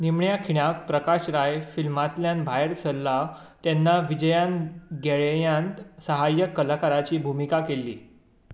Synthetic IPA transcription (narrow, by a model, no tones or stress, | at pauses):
nimɳjakʰiɽ̃akpɾəkaɕɾajfilmat̪ljãnbʱajeɾsəlːa | t̪jɛnːaʋid͡ʑəjãnɡʱeɭjãnt̪səɦajəkːəlakaɾat͡ɕiːbʱumikakelːḭː